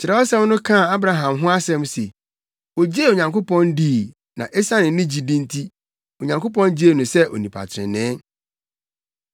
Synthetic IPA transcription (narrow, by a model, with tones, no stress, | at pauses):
t͡ɕʰɪ˨ɾɛ˨ɔ˦sɛ̃˦wnʊ̃˦kʰã˦˨a˦bɾa˨ɦã˨mɦʊ̃˦a˦sɛ̃˦mse˨ | o˨d͡ʑeː˦˨o˨ɲã˨ŋko˦pɔ̃˦ndiː˦˨ | nã̰˨ʔɛ˦sa˦nɪ̃˨˦nɪ̃˦d͡ʑi˦dĩ˦ntʰi˦ | o˨ɲã˨ŋko˦pɔ̃˦nd͡ʑi˦e˦˨nʊ̃˨sɛ˦ʔo̰˨nĩ˨pʰa̰˨tʰɪ˨ɾɪ̰̃˨nɛ̃ː˨˦